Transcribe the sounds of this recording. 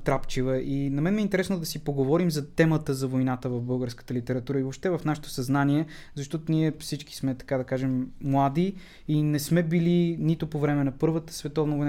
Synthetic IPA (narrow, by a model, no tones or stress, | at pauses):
t̪ɾapt͡ʃivəʔinɐmɛnɛint̪ɛɾɛsnod̪ɐsipoɡovɔɾimzɐt̪ɛmət̪əzɐvojnat̪əvɐvbɤlˠɡəɾskə̥t̪əlit̪ɛɾɐt̪uɾəivopʃt̪ɛvɐfnaʃɛ̥t̪o̥sɐznaniɛ | zɐʃt̪ɔt̪oniɛfsit͡ʃki̥smɛt̪ɐ̥kad̪ɐkaʒɛmːlˠad̪i | inɛsmɛbilinit̪opovɾɛmɛnɐpɤɾvət̪ə̥svɛt̪ɔvnɐvojn